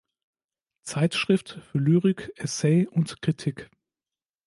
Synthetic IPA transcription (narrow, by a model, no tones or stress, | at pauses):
t͡saɪtʃʁ̥ɪftfyːɐlyːʁɪkʔɛsɛɪʔʊntkʁ̥itʰɪk